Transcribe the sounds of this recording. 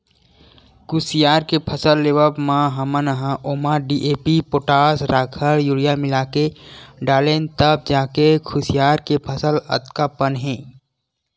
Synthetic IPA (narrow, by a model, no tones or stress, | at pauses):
kʰʊsijaːɾkepʰɐsəlːeːʋəbmãɦɐmənəɦãʔoːmaɖiʔeːpipoːʈaːsɾaːkʰəɾjuɽijamɪlaːkeɖaːlent̪əb̚d͡ʒaːkekʰʊsjaːɾkepʰəsəlɐ̰t̪kapənɦɛ̃ː